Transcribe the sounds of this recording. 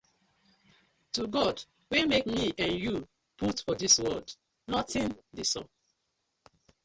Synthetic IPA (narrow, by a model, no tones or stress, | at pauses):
tuɡɔd | wimekmiʔãnju | putfɔdiswɔd | nɔtĩndisɔ̰̃n